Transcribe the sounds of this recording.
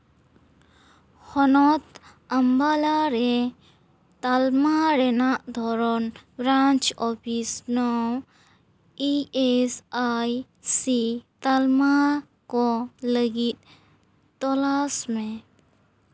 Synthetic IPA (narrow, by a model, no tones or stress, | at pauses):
hɔnɔt̪ | əmbalaɾe | t̪almaɾenaʔd̪ʱɔɾɔnbɾãnt͡ʃɔpʰisnɔw | iesaj | sit̪alma | kɔləɡit̪̚ | t̪ɔlasmẽ